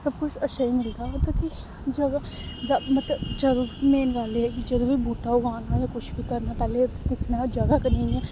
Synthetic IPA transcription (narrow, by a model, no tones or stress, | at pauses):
sɐb̚kʊt͡ʃʰɐʃaimɪlt̪aɦɛt̪oki | d͡ʒɐɡa | d͡ʒɐbmɐt̪ləbt͡ʃɐɾumeːnʋaːleɦɛkit͡ʃɐɾubʱibʱuːʈaoɡaːnajakʊt͡ʃʰbʱikɐɾnapɛːle | d̪ɪkʰnad͡ʒɐɡakɐnĩɛ